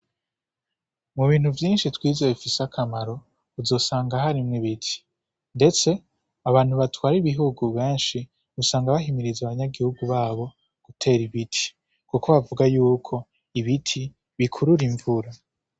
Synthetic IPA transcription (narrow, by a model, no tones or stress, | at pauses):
muβiːn̥huvjiːnʃitwiːzoβifisakʰamaɾo̞ | uzo̞saːŋɡaɦaɾimŋiβitʰi̥ | nde̞t͡se̞ | aβaːn̥huβatwaːɾiβiɦuɡuβẽːnʃi | usaːŋɡaβaɦimiɾizaβaɲaɡihuɡuβaːβo̞ | ɡ̥utʰe̞ːɾiβitʰi̥ | kuko̞βavuɡajuːkʰo̞ | iβitʰi | βikʰuɾuɾiɱvuɾa